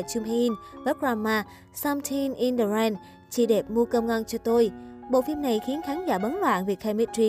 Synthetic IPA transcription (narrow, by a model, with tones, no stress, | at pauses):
t͡ɕʊ˧mhi˧nvə˨˦˥p̚ɹaː˧maː˧ | sa˧mt̪ʰi˧nʔi˧nɗə˨˩ɾɛ˧n | t͡ɕḭ˧˩ɗe˨˩p̚mu˧kə˧wŋ͡mŋʔə˧nt͡ɕɔ˧t̪o˧jɓo̰˧˨fi˧mna˨˩jxi˨˦ənkaː˨˦ŋzaː˧˩ɓə˨˦nlwa̰ː˧˨nvi˨˩ək̚ha˧mi˦˥t̚zi˧